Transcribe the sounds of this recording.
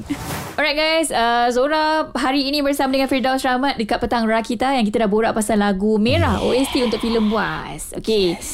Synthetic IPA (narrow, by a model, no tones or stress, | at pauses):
ɔɹajt̚ɡajsəsoɾaɦaɾiːnĩbərsamadəŋãnfidawsɾamãt̪̚dəkat̪̚pət̪aŋrakit̪ajaŋk̬it̪adahboɾaʔpasanlaɡumeɾaho̰ɛst̪iunt̪ʊk̚filəmbua | so̰ke